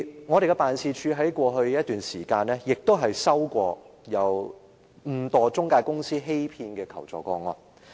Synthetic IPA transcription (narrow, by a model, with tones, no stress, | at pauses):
ŋɔː˨˧ɾe˨kɛ˧paː˨nsiː˨˧t͡ʃʰyː˨˧ɦɐ˨˥jkʷɔː˧ɦɵ˧ɥjɐ˥t̪yː˨nsiː˨˩kaː˧nlɛː˥jɪ˨k̚t̪o˥wɦɐ˨jsɐ˥wkʷɔː˧jɐ˨˧w | m̩˨˩t̪ɔː˨˩t͡sʊ˥ŋkaː˧jkʊ˥ŋsiː˥ɦe˥jpʰiː˧nkɛː˧kʰɐ˨˩wt͡sɔː˨˩kɔː˧ŋɔ˧